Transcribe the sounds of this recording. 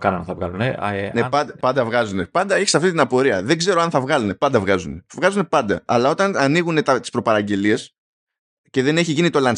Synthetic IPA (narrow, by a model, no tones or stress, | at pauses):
kɐnɐθɐvɣɐ̰lunenepɐd̪ɐpɐnd̪ɐvɣɐzune̞pɐnd̪ɐeçi̥sɐft̪it̪inɐpo̞ɾiɐðe̞ɡze̞ɾoɐnθɐvɣɐlune̞pɐnd̪ɐvɣɐzune̞vɣɐzunepɐnd̪ɐ̰ɐlɐo̞t̪ɐnɐniɣune̞t̪ɐt̪ispɾo̞pɐɾɐɟe̞lie̞s | ce̞ðe̞ne̞çiʝinit̪o̞lɐn